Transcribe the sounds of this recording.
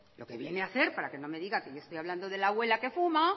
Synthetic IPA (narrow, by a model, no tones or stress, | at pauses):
lo̞ke̞βje̞neaθe̞ɾpaɾake̞no̞me̞ðiɣake̞joest̪ojaβland̪oðe̞laɣwe̞lake̞fuma